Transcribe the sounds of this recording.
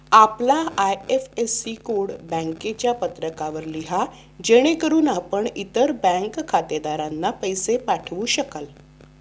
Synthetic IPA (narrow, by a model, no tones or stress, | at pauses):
aplaajefesikoɽbə̃ŋket͡ɕjapət̪ɾəkaʋəɾliɦa | d͡ʑeɽ̃ekəɾuːnapəɳit̪əɾbɛ̃ŋkkʰːat̪ed̪aɾanːapəjsepaʈʰʋuːɕəkal